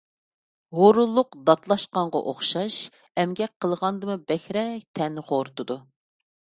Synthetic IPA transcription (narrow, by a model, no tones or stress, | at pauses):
hoɾulˠːʊqd̪ɑt̪lˠɑʃqɑɴʁɑʔoχʃɑʃ | ɛmɡʲɛk̚ʲqʰəlˠʁɑnd̪ɨmɨbɛxʲɾɛk̚ʲt̪ʰɛnʁoɾt̪ɨd̪u